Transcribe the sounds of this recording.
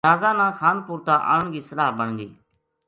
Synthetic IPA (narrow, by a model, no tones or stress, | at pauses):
aːzãːnãːxʰaːnpuːɾt̪aːʔa̰ːəɳɡiːsəlaːɦbəɳ̤nd̪ḭː